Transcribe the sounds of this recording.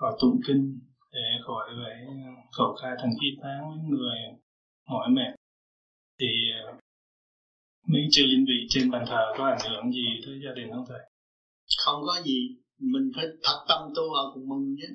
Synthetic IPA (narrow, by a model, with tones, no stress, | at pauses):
kɔ˨˩t̪ṵ˧˩ŋki˧ŋ | ɗe˨˩˦xɔ˧˨˩jva˨˧˦jkə˧˩wkaː˧t̪ʰa˨˩ŋkʰi˧t̪aː˧˦˥ŋmɨ˧˥ŋŋɨ˨˩əj | hɔ˨˦jmɛ˧˨ | t̪ʰi˨˩˨ | mi˧˥˦ŋt͡ɕɨ˧əzi˧ŋvḭ˧˨t͡ɕe˧nɓaː˨˩ŋt̪ʰəː˨˩kɔː˨˦ʔa˧˩ŋhɨ˨˩˦əŋzi˨˩tɨ˧˦jzaː˧ɗï˨˩ŋhʰa˧ŋt̪ʰa˧˨˩j | xə˧wŋ͡mkɔ˨˦zi˨˩ | mi˨˩ŋfaː˨˧˦jt̪ʰa˨˥k̚t̪a˧mt̪ɨ˧wlaː˨˩wkʊ˨˧˩mɨ˨˩ŋɲi˧˦˥